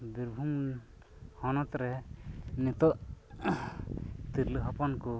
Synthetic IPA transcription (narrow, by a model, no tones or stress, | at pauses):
biɾbʱum | hɔnɔt̪ɾɛnit̪ɔʔ | t̪iɾləɦɔpɔnku